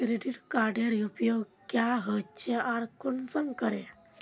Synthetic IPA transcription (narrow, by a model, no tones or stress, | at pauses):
kɾeɖiʈkaɾɖjaɾiupjoɡkjaɦət͡ɕeaɾkunsəmkəɾe